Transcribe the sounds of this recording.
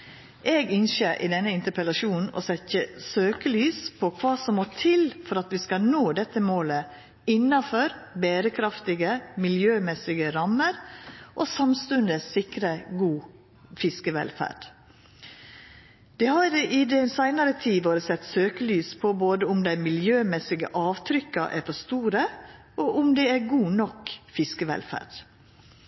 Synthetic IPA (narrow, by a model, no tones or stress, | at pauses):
ʔeːɡɪnʃeːɾʔɪ̰d̪ɛnːəɪnt̪əpʰəlɑʃuːn̩ʔɔ̰sɛtəsøːkəlyːspʰɔkʰʋɑːsɔmːot̪ʰɪlfɔɾɑt̪ʋɪskɑnoːd̪ɛt̪ːəmoːlə | ɪnːɑfɔɾbeːɾəkʰɾɑft̪ɪɡəmɪljøːmɛsɪɡəɾɑməɾʔoːsɑmst̪ʉnd̪əsɪkɾəɡuː | fɪskəʋɛ̰lfæ̰ːɖ̥ | d̪̥eːhɑɾɪd̪ɛsæɪnɑɾət̪ʰiːʋoːɾəsɛt̪ːsøːkəlyːspʰɔboːd̪əʊmd̪æɪmɪljøːmɛsɪɡə̰ʔɑːʋt̪ʰɾʏkɑ̰ʔæ̰ːɾfɔst̪uːɾə | ʔoːʔʊmd̪ɛæɾɡuːnɔkfɪskəʋɛ̰lfæ̰ːɖ̥